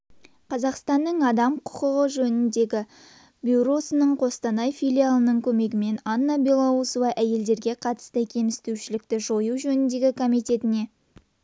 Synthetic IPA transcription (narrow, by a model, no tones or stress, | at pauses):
qʰɑzɑqst̪ɑnːəɴɑd̪ɑmqʰʊ̥qəʁəʒɵnɪnd̪e̞ɡʲɪ | bʲjuɾo̞sənəɴqʰo̞st̪ɑnɑjfijlʲijalˠənəɴkʲʰɵme̞ɡʲɪme̞nɑnːabelˠousuvɑjʔæje̞ld̪e̞ɾɡʲe̞qʰɑt̪ə̥st̪əkʲʰe̞mɪst̪ewʃɪlɪk̚t̪ɪʒo̞juʒɵnɪnd̪e̞ɡʲɪkʰo̞mijt̪e̞t̪ɪne̞